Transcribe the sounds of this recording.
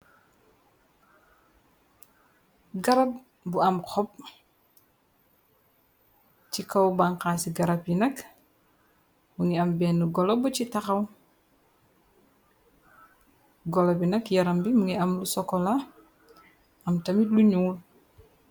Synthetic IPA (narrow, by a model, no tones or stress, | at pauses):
ɡɐɾɐp̚ | buɐmxɔp̚ | cikɐwbaŋkaːsiɡaɾɐpjinɐk | muŋiɐmbɛːnːuɡɔlɔbɔcitaxɐw | ɡɔlɔbinɐkjɐɾɐmbimuŋiɐmlusɔkɔla | ɐmtɐmitluɲuːl